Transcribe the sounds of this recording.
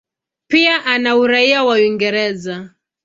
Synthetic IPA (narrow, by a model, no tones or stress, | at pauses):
piaʔanauɾaiawawiŋɡɛɾɛza